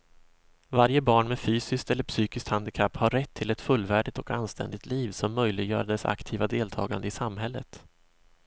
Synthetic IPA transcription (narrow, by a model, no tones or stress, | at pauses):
vaɾjəbɑːɳmɛfyːsɪskt̪ɛlːəɾpsyːkɪskt̪hand̪ɪkʰapːhaɾɛt̪ʰːɪlɛt̪fɵlːvæːɖɪt̪ɔkanst̪ɛ̰nd̪ɪɡ̚t̪liːvsɔmːœjlɪɡjœ̰ːɾad̪ɛsa̰kt̪ʰiːvad̪eːlt̪ʰɑ̰ːɡand̪əɪsamɦɛlːət̪